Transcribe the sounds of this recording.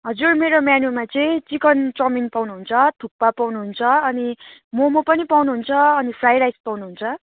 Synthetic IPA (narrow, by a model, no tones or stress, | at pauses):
ɦʌd͡zurmeɾomjanumat͡sʌĩt͡sikʌnt͡sʌminpawnuɦunt͡sʰʌt̪ʰupːapawnuɦunt͡sʰʌʌnimomopʌnipawnuɦunt͡sʰʌːnipʰrajɾajspawnuɦunt͡sʰʌ